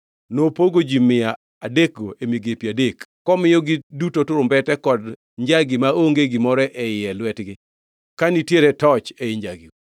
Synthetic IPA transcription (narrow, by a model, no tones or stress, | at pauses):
nopoɡod͡ʒimɪja | adek̚ɡoʔemiɡepjadekːɔmɪjɔɡidutotʊɾʊmbɛtɛkɔd | ɲd͡ʒaɡɪmaoŋɡeɡɪmɔɾɛʔɛɪɛlwɛtɡɪ | kanitjeɾɛtɔt͡ʃeɪɲd͡ʒaɡiw